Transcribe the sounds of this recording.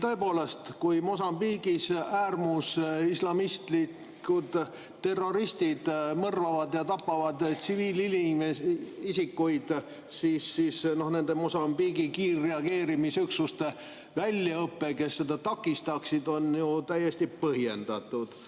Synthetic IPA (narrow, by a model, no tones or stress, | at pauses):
t̪ɤ̞e̞po̞ːle̞st̪kujmo̞sɑmbiɡisæːrmusislɑmist̪li | kkud̪̥ | t̪ːe̞rːo̞ɾist̪id̪̥mɤrvɑvɑd̪jɑt̪ɑpːɑvɑd̪t̪siviːlilimeisikːujd̪̥ | siːsːisno̞hne̞nd̪e̞mo̞sɑmbiɡikiːrːe̞ɑɡ̥e̞ːɾimisyksust̪e̞ | vælʲjɑɤpːe̞ke̞sːe̞d̪̥ɑt̪ɑkːˑist̪ɑksid̪o̞njut̪æjːe̞st̪ipɤhje̞nd̪̥ɑt̪ˑːud̪̥